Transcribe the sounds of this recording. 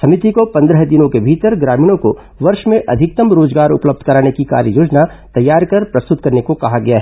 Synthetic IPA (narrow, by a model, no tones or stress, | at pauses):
sɐmɪt̪ikopɐ̃nd̪ɾəɦd̪ɪnõkebʱiːt̪əɾɡɾaːmiːnõko | ʋɐɾʃmẽʔɐ̰d̪ʱɪk̚t̪əmɾoːd͡ʒɡaːɾʊ̰pləb̚d̪ʱkɐɾaːnekika̰ːɾjəjoːd͡ʒna | t̪ɐjːaːɾkɐɾpɾɐst̪ʊt̪kɐɾnekokɐɦaɡɐjaɦɛ